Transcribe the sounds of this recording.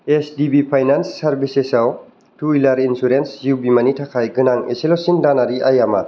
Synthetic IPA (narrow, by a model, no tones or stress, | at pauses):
esdibipʰajnansːaɾbisesaw | tʰuilaɾinsuɾensziwbimanitʰakʰajɡɯnaŋḛselosindanaɾiʔajama